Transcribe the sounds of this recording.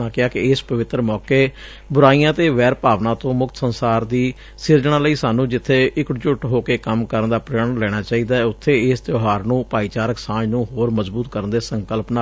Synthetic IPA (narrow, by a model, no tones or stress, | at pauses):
ãːkɪaːkɪɪːspəʋɪt̪ːɾəmɔːkeː | bʊɾaːijãːt̪eːʋɛːɾpaːʋnãːt̪õːmʊkt̪ə̥sənsaːɾd̪iː | sɪɾd͡ʒɽ̃ãːləiːsaːnũːd͡ʒɪt̪ʰːeːʔɪkt͡ʃʊʈɦoːkeːkəmkəɾənd̪aːpɾeːɾənlɛːɽ̃aːt͡ʃaːiːd̪aːɛʊt̪ʰːeːɪːst̪joːɦaːɾnũːpaːiːt͡ʃaːɾəksãːnũːɦoːɾməzbuːt̪kəɾənd̪eːsəŋkəlpnaː